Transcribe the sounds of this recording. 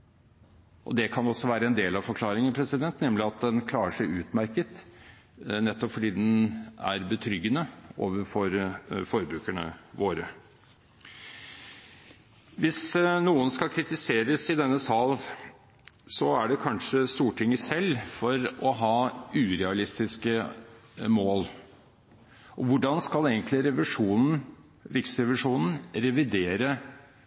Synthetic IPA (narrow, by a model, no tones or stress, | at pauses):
ʔɔ̰d̪ɛkʰɑnɔsːɔʋæːɾəɛnd̪eːlɑʋfɔɾkʰlɑːɾɪŋənpʰɾɛsɪd̪ɛnt̪nɛmlɪɑt̪̚d̪ɛnkʰlɑːəʂæɪʉːt̪mæɾkət̪ | nɛt̪ːɔpfɔɖiːd̪ɛnæ̰ɾbət̪ʰɾʏɡːənəʔoːʋəɾfɔɾfɔɾbɾʉːkæɳə̰ʋoːɾə | ʋɪsnuːənskɑlkʰɾɪt̪ɪseːɾəsɪd̪ɛnːəsɑl | sɔæɖɛkʰɑnʂəst̪uːʈʰɪŋːəsɛlːfɔɾɔɦɑːʉːɾɛɑlɪst̪ɪskə | moːl | ʔɔʋʊɖɑnskɑleːɡənt̪lɪɾɛʋɪʂuːnn̩ | ɾɪksɾɛʋɪʂuːnn̩ɾɛʋɪd̪eːɾə